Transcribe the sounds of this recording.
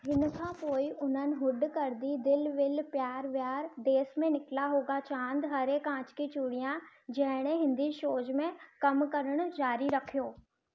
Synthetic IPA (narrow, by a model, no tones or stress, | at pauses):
ɦɪnkʰãːpoːɪʔʊn̤ənɪ̆ɦʊɖkɐɾd̪id̪ɪlʋɪlpjaːɾʋjaːɾd̪eːsmẽnɪkɪlaɦoːɡat͡ɕãːnd̪ɦɐɾekãːt͡ɕkit͡ɕuːɽijãd͡ʑɐɦɪɽ̃eɦɪ̃nd̪iʃoːd͡ʑmẽkɐmkɐɾəɽ̃ʊ̆d͡ʑaːɾiɾɐkʰijoː